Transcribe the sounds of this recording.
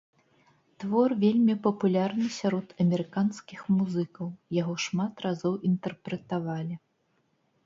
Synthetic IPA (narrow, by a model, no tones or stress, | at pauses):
t̪vɔrvʲelʲmʲipɐpulʲarnɨsʲaɾɔt̪ɐmʲɛɾɨkanskʲixmuzɨkɐwjaɣɔʂmat̪razɔwʔint̪ɛrpɾɛt̪avalʲi